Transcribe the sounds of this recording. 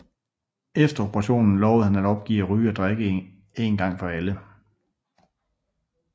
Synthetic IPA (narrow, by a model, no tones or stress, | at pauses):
efd̥ɐob̥ʰəʁɑ̈ɕo̝̰ːnn̩lɒʊð̩ˠhænæd̥ɒ̽b̥̚ɡ̥ḭːɐʁyːɒd̥ʁeɡ̥ə | e̝ːnɡ̥ɑ̈ŋ̰fɒ̽ælə